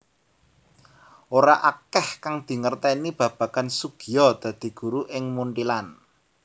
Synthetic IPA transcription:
ʔoɾaʔakɛhkaŋd̪̥i̤ŋərt̪ɛnib̥ä̤b̥a̤kansuɡ̥ijɔd̪̥ä̤d̪̥i̤ɡ̥ṳɾuʔɪŋmuɳʈilan

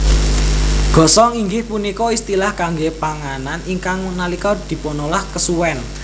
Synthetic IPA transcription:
ɡ̥ɔ̤sɔŋiŋɡɪhpunikɔist̪ilahkaŋɡepaŋananiŋkaŋnalikɔd̪̥i̤ponolahkəsuwɛn

